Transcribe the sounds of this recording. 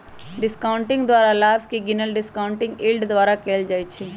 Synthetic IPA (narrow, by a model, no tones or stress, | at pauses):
ɖɪskaːʊ̃ɳʈɪ̃ŋɡd̪wʋaːɾalaːfkiɡɪnəlɖɪskãːʊ̃ɳʈɪ̃ŋɡɪlɖd̪ʋaːɾakeːld͡ʒaːit͡ʃʰeː